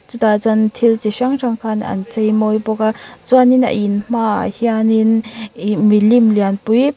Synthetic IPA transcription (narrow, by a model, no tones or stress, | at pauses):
t͡sut̪at͡sɔnt̪ʰilt͡siʃaŋʂʰaŋkʰanɐ̰nt͡sejmɔjpɔkat͡suaninɐ̰ʔinm̥a̰hianin | milimlianpuj